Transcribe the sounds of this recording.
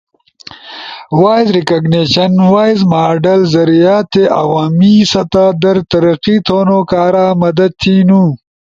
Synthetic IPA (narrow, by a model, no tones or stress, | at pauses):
waːjzɾikɐɡneːʃɐnwaːjzmaːɖɐlzɐɾijaːt̪eʔa̰waːmisɐt̪aːd̪ɐɾt̪ɐɾɐqit̪ʰoːnokaːɾaːmɐd̪ɐd̪̚t̪ʰiːnu